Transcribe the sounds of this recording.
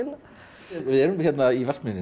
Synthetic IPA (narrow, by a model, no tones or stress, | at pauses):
ɪn | vɪðɛɾʏmçjɛt̪naivɛl̥kmɪnːɪ